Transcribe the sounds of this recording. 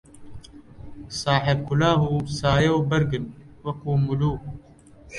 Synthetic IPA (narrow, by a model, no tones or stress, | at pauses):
saːħeb̚kʰʊlaːɦuːsaːjowbɐɾɡɨn | wɐkuːmuluːk